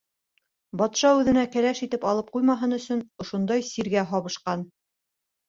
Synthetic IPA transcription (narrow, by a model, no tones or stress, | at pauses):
bɑt̪ʃɑʉðɘ̆nækæɾæʃit̪ɘpɑlˠɤp̚qujmɑɦɤnɵ̆sɵnŏʃund̪ɑjsiɾɡæɦɑβɤ̆ʃqɑn